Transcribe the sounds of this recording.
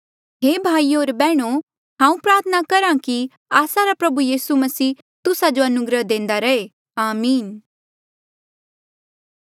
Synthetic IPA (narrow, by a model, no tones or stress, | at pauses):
ɦeːbʱaːioːɾbɛːɽ̃o | ɦãːũpɾaːɾt̪ʰənakɐɾãki | aːsaɾapɾɐbujiːsumɐsiː | t̪ʊsad͡ʒoɐnʊɡɾəɦd̪ẽːnd̪aɾɐe | aːmiːn